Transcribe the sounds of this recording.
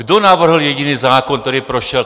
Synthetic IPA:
ɡd̪onaʋr̩ɦl̩jɛɟiniːzaːkɔnk̪t̪oɾiːpɾɔʃɪɛl

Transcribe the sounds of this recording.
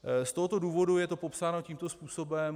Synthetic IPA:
st̪o̞ɦo̞t̪o̞duːvo̞dujɛt̪o̞popsaːno̞ciːmt̪o̞spuːso̞bɛm

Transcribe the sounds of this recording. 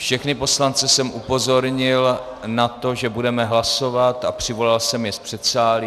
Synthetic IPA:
fʃɛxnɪpo̞slant͡sɛsɛmʔupo̞zo̞ɾɲɪl | nat̪o̞ʒɛbudɛmɛɦlaso̞vat̪apr̝̥ɪvo̞lalsɛmjɛspr̥ɛt̪saːlɪ

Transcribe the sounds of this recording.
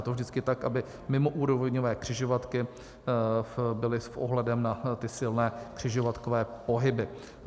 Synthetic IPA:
t̪ovʒdɪtt͡skɪt̪akʔabɪ | mɪmoʔuːɾovɲovɛːkr̥ɪʒovat̪kɪ | bɪlɪsʔo̰ɦlɛdɛmnat̪ɪsɪlnɛːkr̝̥ɪʒovat̪kovɛːpo̞ɦɪbɪ

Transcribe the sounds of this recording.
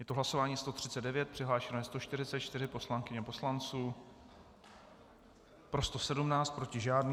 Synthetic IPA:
jɛt̪oɦlaso̞vaːɲiːst̪o̞t̪r̝̥ɪt͡sɛdɛvjɛt̪̚pr̥ɪɦlaːʃɛnɛjːst̪o̞ʃt̪ɪrɪt͡sɛt̪t͡ʃt̪ɪɾɪpo̞slaŋkɪɲɛpo̞slant͡suː | pɾo̞st̪o̞sɛdumnaːt͡st̪̚pɾo̞cɪʒaːdni

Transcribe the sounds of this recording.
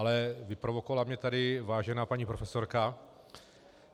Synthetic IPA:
alɛvɪpɾovokovalamɲɛt̪adɪvaːʒɛnaːpaɲiːpɾofɛso̞ɾka

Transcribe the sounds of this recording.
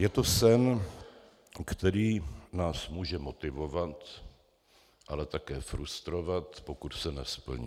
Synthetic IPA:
jɛt̪osɛn | kt̪ɛɾiːnaːsmuːʒɛmo̞t̪ɪvo̞vat̪ | ʔalɛt̪akɛːfɾust̪ɾo̞vat̪pokut̪sɛnɛspl̩ɲi

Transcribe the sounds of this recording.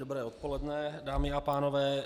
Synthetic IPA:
dobɾɛːot̪po̞lɛdnɛdaːmɪapaːno̞vɛː

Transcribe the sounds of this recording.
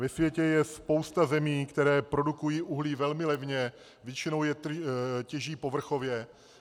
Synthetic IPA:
vɛsvjɛcɛjɛspo̞wst̪azɛmiːkt̪ɛɾɛːpɾo̞dukujiːʔuɦliːvɛlmɪlɛvɲɛ | vjɛt͡ʃɪnowjɛt̪cɛʒiːpo̞vr̩xo̞vjɛ

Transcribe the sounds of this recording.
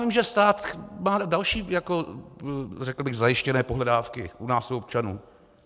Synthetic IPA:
vɪmʒɛst̪aːt̪maːdalʃiːjako̞ | rɛkl̩bɪɣzajɪʃcɛnɛːpoɦlɛdaːfkɪ̰ʔunaːsoop̚t͡ʃanuː

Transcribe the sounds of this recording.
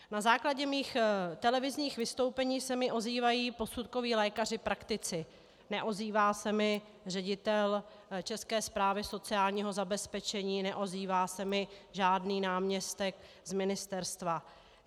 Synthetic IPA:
nazaːklaɟɛmiːxt̪ɛlɛvɪzɲiːxvɪst̪owpɛɲiːsɛmɪʔo̞ziːvajiːpo̞sut̪ko̞viːlɛːkar̝ɪpɾakt̪ɪt͡sɪ | nɛʔoziːvaːsɛmɪ | rɛɟɪt̪ɛl | t͡ʃɛskɛːspɾaːvɪso̞t͡sɪaːlɲiːɦo̞zabɛspɛt͡ʃɛɲiːnɛʔo̞ziːvaːsɛmɪʒaːdniːnaːmɲɛst̪ɛk | zmɪnɪst̪ɛɾst̪va

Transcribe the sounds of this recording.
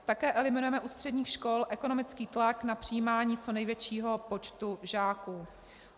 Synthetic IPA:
t̪akɛːʔɛlɪmɪnujɛmɛʔuːst̪r̝̥ɛdɲiːxʃko̞lʔɛko̞no̞mɪt͡skiːt̪laknapr̝̥ɪjiːmaːɲiːt͡so̞nɛjvjɛt͡ʃiːɦo̞po̞t͡ʃt̪uʒaːku

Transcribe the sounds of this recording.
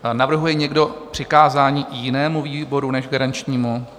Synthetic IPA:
navr̩ɦujɛɲɛɡdo̞pr̥ɪkaːzaːɲiːjɪnɛːmuviːbo̞ɾunɛʒɡaɾant͡ʃɲiːmu

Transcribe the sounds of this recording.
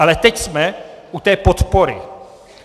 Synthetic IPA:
alɛt̪ɛcsmɛʔut̪ɛːpot̪po̞ɾɪ̰

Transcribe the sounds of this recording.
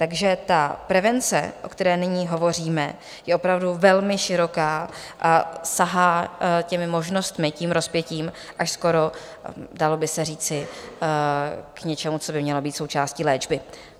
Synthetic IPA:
t̪aɡʒɛt̪apɾɛvɛnt͡sɛ̰ʔo̞̰kt̪ɛɾɛːnɪɲiːɦo̞vo̞riːmɛ̰ | jɛʔo̞pɾavduvɛlmɪʃɪɾo̞kaːʔasaɦaːcɛmɪmo̞ʒno̞st̪mɪciːmɾo̞spjɛciːm | ʔaʃsko̞ɾo̞ | dalo̞bɪsɛriːt͡sɪ | kɲɛt͡ʃɛmut͡so̞bɪmɲɛlo̞biːt̪so̞wt͡ʃaːsciːlɛːd͡ʒbɪ

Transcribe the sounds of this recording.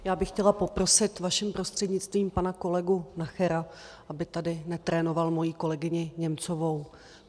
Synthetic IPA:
jaːbɪxcɛlapo̞pɾo̞sɪt̪vaʃɪmpɾo̞st̪r̥ɛdɲɪt͡st̪viːmpanako̞lɛɡunaxɛɾa | ʔabɪt̪adɪnɛt̪ɾʔɛːno̞valmo̞jiːko̞lɛɡɪɲɪɲɛmt͡so̞vo̞w

